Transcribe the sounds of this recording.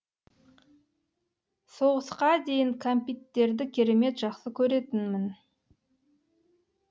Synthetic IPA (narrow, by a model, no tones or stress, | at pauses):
so̞ʁəsqɑd̪e̞jɪŋkʰompʲit̪ːe̞ɾd̪ɪkʲʰe̞ɾe̞me̞t̪ʒɑqsəkʲʰɵɾe̞t̪ɪnmɪn